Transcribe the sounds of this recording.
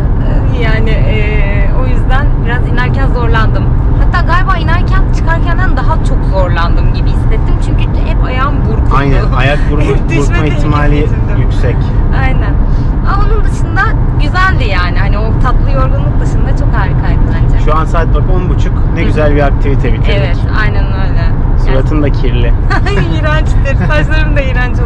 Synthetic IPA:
jaːnɪʔɛː | o̞jyzd̪ænbiɾazinæɾcænzo̞ɾlˠand̪ɯm | hat̪ʰːaːɡaːlʲbaːinæɾcʰænt͡ʃʰɯ̥kaɾcʰænd̪ænd̪aɦat͡ʃʰo̞kzo̞ɾlˠand̪ɯmɟibihist̪et̪ʰːimt͡ʃʰyɲcyhɛpajambuɾkʰajnænajak̚d̪uɾmad̪uɾt̪maiçt̪ʰimaːlʲi | jykʲsɛc | ajnæn | aonund̪ɯʃɯnd̪a | ɟyzælʲd̪ijaːnihaniot̪ʰat̪lˠɯjo̞ɾɡanlˠɯk̚b̪ɯʃɯnd̪at͡ʃʰo̞khaɾɾikʰajd̪ɯland͡ʒɛʃuansaːt̪̚bakonbut͡ʃʰuknɛɟyzælʲbiak̚t̪ʰivit̪ʰebit̪ʰeevɛt̪a̰jnænø̞jlʲɛsuɾat̪ʰɯnd̪acʰiɾlʲɪ | iɾant͡ʃt̪ept̪ʰaʒlˠaɾɯnd̪aiɾand͡ʒ

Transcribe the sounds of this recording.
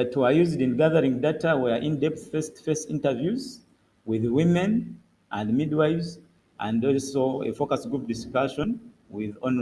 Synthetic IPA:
ðatʰwəjuzdĩnɡaðə˞ĩŋdatawɛʔĩndɛp̚θfɛstfɜstĩntə˞vjuz | wiðwĩmɛ̃n | ʔæ̃ndmid̚waɪvz | ʔæ̃ndɔlsoḛfokasɡɹup̚diskaʃɔ̃n | wiðɔ̃n

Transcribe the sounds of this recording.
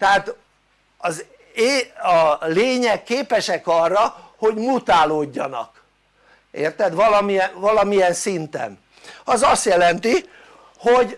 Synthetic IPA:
t̪ɛɦaːt̪ | ɒz | eːɒleːɲɛkːeːpɛʃɛkɒrːɒho̞ɟmut̪aːloːɟːɒ̰nɒ̰k | eːrt̪ɛd̪ʋɒlɒmijɛnvɒlɒmijɛnsint̪ɛ̰n | ɒzɒst̪jɛlɛnt̪i | hoɟ

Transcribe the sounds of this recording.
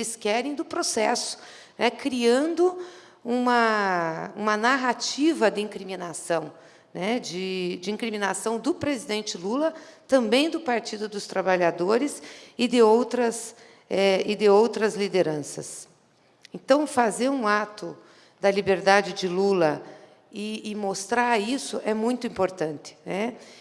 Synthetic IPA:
lɪskɛɾẽj̃d̪ʊpɾosɛsʊ̥ | nʔɛkɾiɐ̃nd̪ʊ | ũmɐ | ũmɐnaɦat͡ʃivɐd̪ɪĩkɾimĩnasɐ̃w̃ | nɛd͡ʒɪd͡ʒɪĩŋkɾimĩnasɐ̃w̃d̪ʊpɾezid̪ẽnt͡ʃɪlulɐt̪ɐ̃mbẽj̃d̪ʊpaɾt͡ʃid̪ʊd̪ʊst̪ɾabaʎad̪oɾɪsɪd̪ɪowt̪ɾɐs | ɛɪd̪ɪowt̪ɾɐzlid̪eɾɐ̃sɐ̰s | ẽnt̪ɐ̃w̃fazeɾũat̪ʊ | d̪ɐlibeɾd̪ad͡ʒɪd͡ʒɪlulɐ | ɪːmost̪ɾaisʊʔɛmũj̃t̪ʊĩpoɾt̪ɐ̃nt̪ɪ̥nɛ

